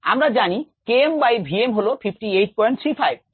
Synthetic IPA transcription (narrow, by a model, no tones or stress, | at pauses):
a̰mɾad͡ʑanikeembajbʱiemɦolofʰipʰʈiejʈ̚pɔjɳʈ̚t̪ʰɾifʰajb̚